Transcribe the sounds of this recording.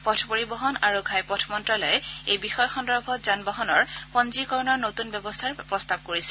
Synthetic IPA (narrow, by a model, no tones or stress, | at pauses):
pɔtʰpoɹibɔɦɔnaɹuɡʱajpɔtʰmɔntɹalɔjɛejbixɔjxɔndɔɹbʱɔt̚zanbɔɦɔnɔɹpɔnzikɔɹnɔɹnotunbjɔbɔstʰaɹpɹɔstab̚koɹisɛ